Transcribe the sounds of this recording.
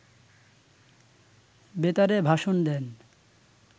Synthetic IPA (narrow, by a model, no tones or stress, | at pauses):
bet̪aɾebʱaʃond̪ɛn